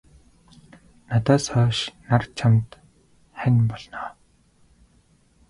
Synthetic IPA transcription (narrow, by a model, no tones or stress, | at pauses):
nat̪aːsɔːʃnart͡ɕʰamt̪ | χænʲpɔɮnɔː